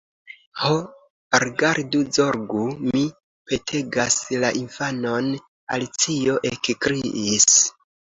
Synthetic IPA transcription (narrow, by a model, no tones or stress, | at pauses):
ho | ɾiɡaɾduzo̞ɾɡumi | pe̞tʰe̞ɡaslaʔinfano̞n | a̰lit͡sio̞ʔe̞kkɾiʔːs